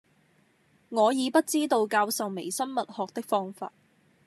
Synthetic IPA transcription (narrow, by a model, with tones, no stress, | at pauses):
ŋɔː˨˧jiː˨˧pɐ˥t̚t͡siː˥t̪o˧wkaː˧wsɐ˨wme˨˩jsɐ˥nmɐ˨t̚hɔː˨k̚t̪ɪ˥k̚fɔː˥ŋfa̰ː˧t̚